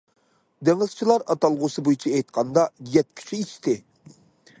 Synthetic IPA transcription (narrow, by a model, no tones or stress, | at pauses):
d̪eŋɪz̥t͡ʃʰilˠɑɾɑt̪ɑlˠʁʊsɨbujit͡ʃʰiejt̪̚qʰɑnd̪ɑjɛt̪̚kʲʰy̥t͡ʃʰiit͡ʃt̪ʰɪ